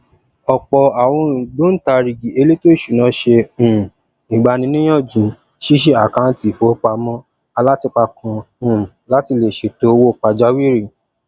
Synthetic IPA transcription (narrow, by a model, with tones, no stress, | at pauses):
ɔ˨k͡pɔ˨a˨w̃ɔ̃˧˨do˦n̩˦ta˧ɾi˨ɡi˨e˧le˦to˦i˦˨ʃu˨nã˧˦ʃẽ˧˨ | i˨ɡ͡ba˧nĩ˧˦nĩ˦j̃ɔ̃˦˨d͡ʒĩ˨ | ʃi˦ʃ̬i˦a˨kã˨˦n˦ti˨fo˨˦k͡pa˧mɔ̃˦ | a˧la˦ti˧k͡pa˧kʰã˧˨ | la˦ti˧le˨ʃe˧to˦˧wo˦˨k͡pa˧d͡ʒa˦wi˦ɾi˦˨